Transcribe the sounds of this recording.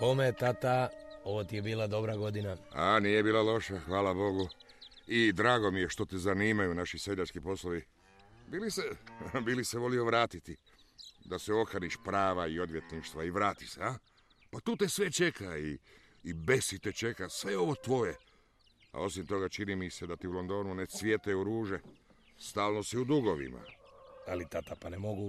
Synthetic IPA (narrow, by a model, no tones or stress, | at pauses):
pomet̪at̪aoʋot̪iebiːlad̪o̞bɾaɡod̪inaanije̞biːlˠalo̞ʃaxʋaːlabo̞ɡuid̪ɾaːɡo̞mije̞ʃt̪o̞t̪ezaniːmajunaʃisjed̪ɲat͡ʃkipo̞slˠoʋi | biːlisebiliseʋo̞lio̞ʋɾaːt̪it̪i | d̪aseo̞kaniʃpɾaːʋaio̞d̪ʋjet̪niʃt̪ʋaiʋɾaːt̪isea | pat̪uːt̪e̞sʋe̞t͡ʃe̞kaiː | be̞sit̪et͡ʃe̞kasʋe̞o̞ʋo̞t̪ʋo̞je | a̰o̞simt̪o̞ɡat͡ʃinimise̞d̪at̪iulo̞nd̪o̞ːnunesʋje̞t̪euɾuːʒe̞ | st̪aːlno̞siud̪uɡo̞ʋḭma̰alit̪at̪apanemoɡu